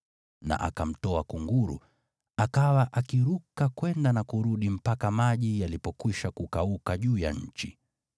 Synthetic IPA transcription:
na̰ʔa̰kam̩tɔakuŋɡuɾṵ | akawaʔakiɾukakwɛndanakuɾuɗim̩pakamaʄijalipɔkwiʃakukaukaʄuːja̰ɲ̩t͡ʃi

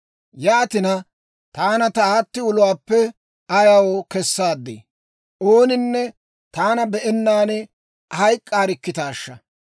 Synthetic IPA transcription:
jaːt̪ɪnɐ | t̪aːnɐt̪ɐaːt̪ːɪʊlʊwaːpːɛ | ɐjɐwokɛsːaːd̪ːḛː | ʔoːnɪnːɛ | t̪aːnɐbɛʔɛnːaːnɛ | hɐjkʼːaːɾɪkːɪt̪aːʃːɐ̰

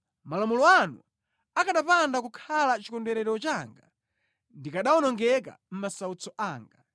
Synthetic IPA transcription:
malamulɔanu | akaɗapandakukʰalat͡ʃikɔndɛɾɛɾɔt͡ʃaːŋɡa̰ | ndikaɗawɔnɔŋɡɛk̬a̰m̩masaut͡sɔʔaːŋɡa̰

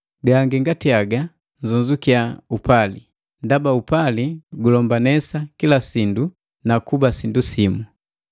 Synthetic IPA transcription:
ɡaŋɡiŋɡatiaɡa | nzund͡ʒukiaupali | ndabaupaliɡulɔmbanɛsakilasindu | nakubasindusimu

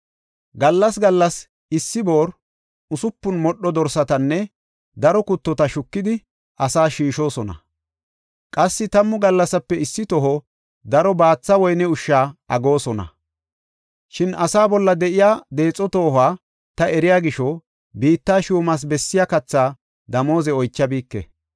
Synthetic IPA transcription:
ɡɐlːɐs̬ɡɐlːɐs | ɪsːɪbo̞ːɾ | ʊsʊpːʊnmɔɗːɔd̪ɔɾsɐt̪ɐnːɛ | d̪ɐɾɔkʊt̪ːɔt̪ɐʃʊkːɪd̪ɪ | ʔɐsaːʃiːʃo̞ːsɔnɐ̰ | kʼɐsːɪt̪ɐmːʊɡɐlːɐsɐpːɛɪsːɪt̪ɔɦɔ | d̪ɐɾɔbaːt͡sːɐwɔjnɛʊʃːaːʔɐɡo̞ːsɔnɐ̰ | ʃɪnɐsaːbɔlːɐd̪ɛʔɪjaːd̪e̞ːt͡sʼːɔt̪o̞ːhaː | t̪ɐɛɾɪjaːɡɪʃɔ | biːt̪ːaːʃuːmɐs̬bɛsːɪjakɐt͡sːaː | d̪ɐmo̞ːzɛɔjt͡ʃːɐbiːkːɛ̰

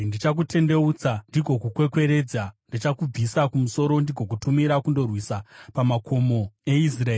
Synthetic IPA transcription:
ndit͡ʃak̬utʰe̞nde̞uːt͡sandiɡʱo̞kukwe̞kwe̞ɾe̞d͡zandit͡ʃakub͡visakumuso̞ɾo̞ndiɡʱo̞k̬utumiɾakundo̞rwisapamakʰo̞mo̞e̞is̬raeː

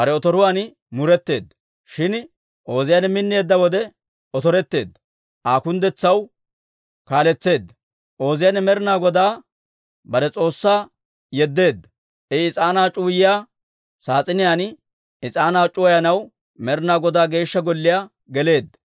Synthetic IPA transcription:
ɐɾɛɔt̪ɔɾʊwaːn | mʊɾɛt̪ːe̞̰ːd̪ːɐ | ʃɪn | ʔo̞ːzɪjaːnɛmɪnːjeːd̪ːɐwɔd̪ɛ | ɔt̪ɔɾɛt̪ːe̞ːd̪ːɐ | ʔaːkʊnd̪ɛt͡sːɐw | kaːlɛt͡sːe̞ːd̪ːɐ | ʔo̞ːzɪjanɛmɛɾɪnaːɡɔd̪aː | bɐɾɛt͡sʼo̞ːsːaː | jɛd̪ːe̞ːd̪ːɐ̥ | ʔɛɪt͡sʼaːnaːt͡ʃʼuːjɪjaː | saːt͡sʼɪnɪjaːn | ɪt͡sʼaːnaːt͡ʃʼʊwɐjɐnɐw | mɛɾɪnaːɡɔd̪aːɡe̞ːʃːɐɡɔlːɪjaː | ɡɛle̞ːd̪ːɐ̥

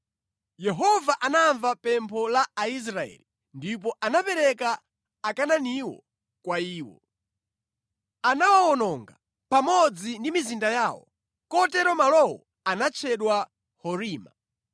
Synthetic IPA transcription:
jɛɦɔvaʔanaɱvapɛmpʰɔlaais̬ɾaɛ̰li | ndip̬ɔʔanapɛɾɛkaː | kananiwɔ̰ | kwaiːwɔ̰ | anawawɔnɔŋɡa | pamɔd͡zindimizindajaːwɔ̰ | kɔtɛɾɔmalɔwɔ̰ | anat͡ʃʰɛɗwa | hɔɾiːma

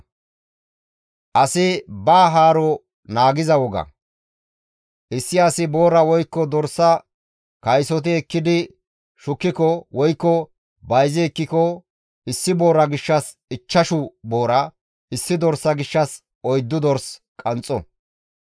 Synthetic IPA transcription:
ʔɐsɪbaːɦaːɾɔ | naːɡɪzɐwɔɡɐ̰ | ʔɪsːɪɐsɪbo̞ːɾɐwɔjkːɔd̪ɔɾsːɐ | kɐjsɔt̪̬ɪɛkːɪd̪ɪ | ʃʊkːɪkɔwɔjkːɔ | bɐjzɪːkːɪkɔ | ɪsːɪbo̞ːɾɐɡɪʃːɐs | ɪt͡ʃːɐʃʊbo̞ːɾɐ | ʔɪsːɪd̪ɔɾsːɐɡɪʃːɐs | ʔɔjd̪ːʊd̪ɔɾs | kʼɐnt͡sʼɔ̰

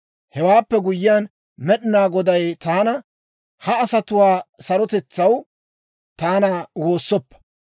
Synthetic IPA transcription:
hɛwaːpːɛɡʊjɪjaːn | mɛɗɪnaːɡɔd̪ɐjt̪aːnɐ | hɐːsɐt̪ʊwaːsɐɾɔt̪ɛt͡sːɐw | t̪aːnɐwoːsːɔpːɐ̥

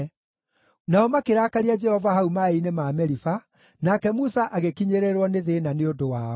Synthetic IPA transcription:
naɔmakeɾakaɾiad͡ʒɛhɔvaɦaumaeinemaːmɛɾifa | nakɛmusaʔaɣekiɲeɾeɾwɔneðenaneodowaːɔ

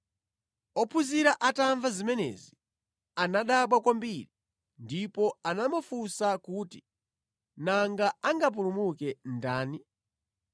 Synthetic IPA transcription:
ɔpʰuziɾaʔataɱvazimɛnɛ̰zi | anaɗaɓwakwambiɾi | ndipɔanamɔfusakuːti | naŋɡaaŋɡap̬uɾumukɛndaːni

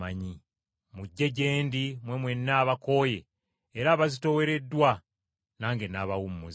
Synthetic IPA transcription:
aɲi | muɟːe̞ɟe̞ːndimwe̞mwe̞nːaːβako̞ːje̞ | eɾaːβazito̞we̞ɾe̞dːwa | naːŋɡenaːβawumːuz

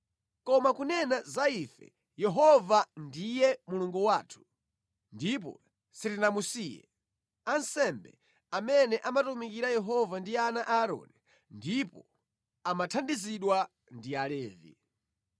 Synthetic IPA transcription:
kɔmakunɛnazaifɛ̰ | jɛɦɔvandijɛmuluŋɡuwaːtʰu̥ | ndip̬ɔ̰ | siɾinamusijɛ̰ | ansɛmbɛ̰ | amɛnɛʔamatumikiɾajɛɦɔvandianaʔaɾɔ̰ni | ndipɔ | amatʰandiziɗwa | ndialɛːvḭ

